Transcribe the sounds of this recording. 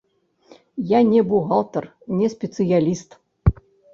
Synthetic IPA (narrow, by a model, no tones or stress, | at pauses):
janʲɛbuɣalˠt̪ɐr | nʲɛsʲpʲɛt̪sɨjalʲist̪